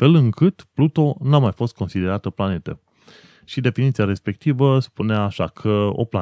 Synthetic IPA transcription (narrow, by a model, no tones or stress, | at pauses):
fe̞lɨŋkɨt̪plut̪o̞namajfo̞st̪̚ko̞nsid̪e̞ɾat̪əplane̞t̪ə̰ | ʃid̪e̞finit̪siaɾe̞spe̞k̚t̪ivəspuneaːʃakʰəo̞̰pla